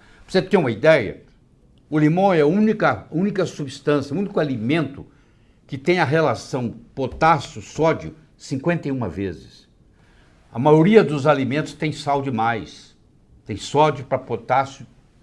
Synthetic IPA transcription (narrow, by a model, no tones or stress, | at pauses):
voset̪ẽũmɐid̪ɛjɐ̰ | ʊlimõɛaũnikɐũnikɐsubist̪ɐ̃sjɐ̃ũnikʊalimẽnt̪ʊ | kɪt̪ẽj̃ɐɦelasɐ̃w̃pot̪asʊsɔd͡ʒʊ | sĩŋkwẽnt̪ɐjũmɐvezɪs | ɐmajoɾiɐd̪ʊzalimẽnt̪ʊ̥st̪ẽj̃sawd͡ʒɪmajs | t̪ẽj̃sɔd͡ʒʊpɾɐpot̪asjʊ